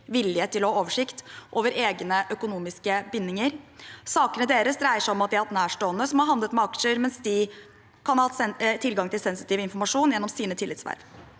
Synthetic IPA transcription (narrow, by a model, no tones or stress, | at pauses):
ʋɪljət̪ʰːɪlɔhɑoːʋəʂɪkt̪ʔoːʋəɾeːɡnəʔœkʊnuːmɪskəbɪnːɪŋəɾsɑːkənəd̪eːɾəsd̪ɾæɪəʂæɪɔmɑt̪d̪ɪhhɑɾt̪næːʂʈoːənːəsɔmhɑɾɦɑnd̪ət̪mɛɑkʂəɾmɛnsd̪ɪ | kʰɑnhɑhɑt̪ɛt̪ʰɪlɡɑŋt̪ɪlsɛnsɪt̪iːʋɪnfɔɾmɑʂuːnjɛnːɔmsiːnət̪ʰɪlːɪt̪sʋæ̰ɾʋ